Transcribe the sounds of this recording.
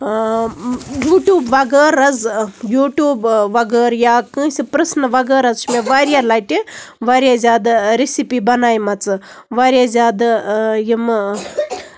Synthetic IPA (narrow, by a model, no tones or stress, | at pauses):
juːʈjuːbʋɐɡəːɾɐzjuːʈjuːbʋɐɡəːɾjaːkɨ̃ːsʲipɾɐsnɐʋɐɡəːɾɐzʃmeʋaːɾjalaːʈiʋaːɾjaːzʲaːd̪ɾesipiːbɐnaːjmɐt͡sɨ | ʋaːɾjazʲjaːd̪jim